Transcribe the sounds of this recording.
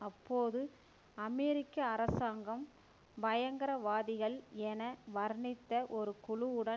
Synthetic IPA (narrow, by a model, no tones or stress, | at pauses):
ɐpːoːðɯ | ɐmɛːɾɪkːɐːɾɐsaːŋɡɐm | bɐjɐŋɡɐɾɐʋaːðɪɣɐɭɛnɐʋɐɾɳɪt̪ːɐʔɔɾɯkʊɻʊʊɽɐ